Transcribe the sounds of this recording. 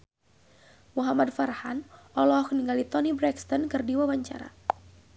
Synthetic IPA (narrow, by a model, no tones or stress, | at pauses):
muɦamadfarhanʔɔlɔɔkniŋɡalit̪ɔnibɾɛkst̪ɔnkɨrdiwawaɲt͡ʃa̰ɾa̰